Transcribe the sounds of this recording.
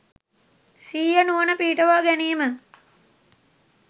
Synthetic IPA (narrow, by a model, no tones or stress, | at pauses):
siːjənuʋənəpiːʈəʋaːɡæniːmə